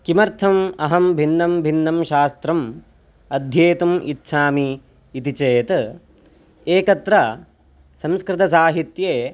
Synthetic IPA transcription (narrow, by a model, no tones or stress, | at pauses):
kimɐɾt̪ʰɐmɐɦɐmbʱinːɐmbʱinːɐmʃaːst̪ɾɐm | ɐd̪ʱjeːt̪umitːʃʰaːmiː | t̪it͡ʃeːt̪ | eːkɐt̪ɾɐ | sɐ̃mskɾɪt̪ɐs̬aːɦit̪jeː